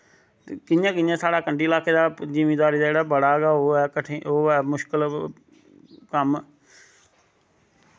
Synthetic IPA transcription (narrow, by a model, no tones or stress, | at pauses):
kɪɲjãːkɪjãːsaːɽaːkəɳɖiːlaːkeːd̪aːd͡ʒimeːd̪aːɾiːd̪aːeːɽaːbəɽaːɡaːɦoɛːkəʈʰeoːɛːmʊʃkəl | kəm